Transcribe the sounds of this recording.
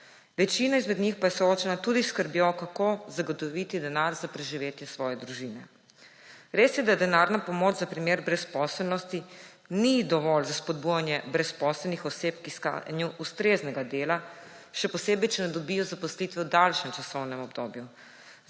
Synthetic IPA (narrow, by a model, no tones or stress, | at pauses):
ʋɛt͡ʃiːnaizmɛd̪nɲixpajɛsɔoːt͡ʃɛnat̪uːd̪iskəɾbjokakozaɡɔt̪ɔʋit̪id̪ɛnaɾzapɾɛʒiʋeːt̪jɛsʋɔːjɛd̪ɾuʒiːnɛ | ɾeːsjɛd̪ad̪ɛnaɾnapɔmoːt͡ʃzapɾimeːɾbɾɛspɔsɛlnɔst̪i | nid̪ɔʋɔlzaspɔd̪̚bujanjɛbɾɛspɔsɛlnixɔseːpkiska̰njuʔust̪ɾeːznɛɡad̪eːla | ʃɛpɔseːbɛjt͡ʃɛnɛd̪ɔbijɔzapɔslit̪ʋɛwd̪alʃɛmt͡ʃasɔwnɛmɔbd̪o̰ːbju